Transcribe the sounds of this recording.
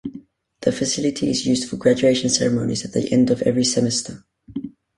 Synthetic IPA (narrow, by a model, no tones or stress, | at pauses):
ðəfɨsɪlˠɨtʰiɪzjʉzd̥fəɡɹæd͡ʒʉeɪʃɨ̃n̩sɛɹəmõʊ̃nizɨt̪̚ðḭʔɛ̃ndʌvɛvɹisɛmɛstʰə˞